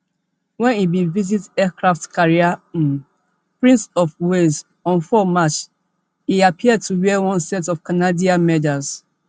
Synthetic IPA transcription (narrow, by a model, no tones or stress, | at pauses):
wɛ̃nibivizitɛkɹaftkaɹia | pɹĩnsɔfwez | ɔ̃nfɔmat͡ʃ | iapʰiɛd̚tʰuwɛwɔ̃nsɛtɔfkanadiamɛdaz